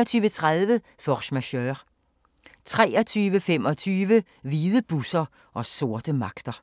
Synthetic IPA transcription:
ɒt͡sʰyːʋət͡sʰʁaðˠʋə | fɒʃmæɕøʁ | t͡sʰʁɛːɒ̽t͡sʰyːʋəfem̰ɒ̽t͡sʰyːʋə | ʋiːðˠəb̥usɐ | ʔɒ̽so̝ɐd̥əmɑ̈ɡ̥d̥ɐ

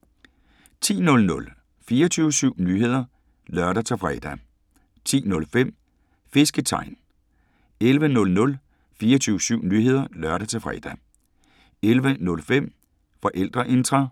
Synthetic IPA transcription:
t͡sʰḭːnɔ̽lnɔ̽l | fiːɐt͡sʰyːʊsyʊ̰nyːɦe̝ð̞̰ˠɐ | lɶɐɾ̥ɐt͡sʰe̝fʁɛ̰d̥æ | t͡sʰḭːnɔ̽lfem̰ | fe̝sɡ̥ət͡sʰɑ̈ɪ̰n | elʋənɔ̽lnɔ̽l | fiːɐt͡sʰyːʊsyʊ̰nyːhe̝ð̰ˠɐlɶɐɾ̥ɐt͡sʰe̝fʁɛ̰d̥æ | elʋənɔ̽lfem̰ | fɒ̽ʔel̰d̥ʁɐʔe̝nd̥ʁɐ

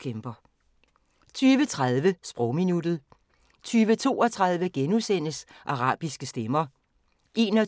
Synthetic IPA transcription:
kʰemb̥ɐ | t͡sʰyːʋət͡sʰʁaðˠʋəsb̥ʁɔʊ̰minud̥ð̩ˠ | t͡sʰyːʋət͡sʰo̝̰ːɒt͡sʰʁɑð̞ˠʋəɡ̥enuðˠsen̰əs | ʔɑ̈ʁɑ̈ːb̥isɡ̥əsd̥emɐ | ʔe̝ːnɒ

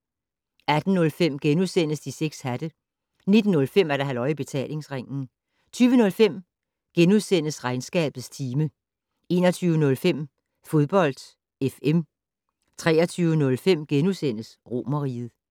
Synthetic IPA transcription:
æd̥n̩nɔ̽lfem̰ɡ̥enuðˠsen̰əsd̥iseɡ̥shæd̥ə | ne̝d̥n̩ːɔ̽lfem̰æɐɾ̥ɑɦælɒ̽ɪib̥e̝t͡sʰɛ̰ːle̝ŋsʁeŋ̰n̩ | t͡sʰyːʋənɔ̽lfem̰ | ɡ̥enuðˠsen̰əsʁɑ̈ɪnsɡ̥ɛ̰ːb̥ð̩ˠst͡sʰiːmə | e̝̰ːnɐt͡sʰyːʊənɔ̽lfem̰ | fo̝ð̞ˠb̥ɒ̽l̰d̥ | efem | t͡sʰʁɛ̰ːɐt͡sʰyːʊənɔ̽lfem̰ɡ̥enusen̰əsʁo̝ːmɐʁiːð̞̩ˠ

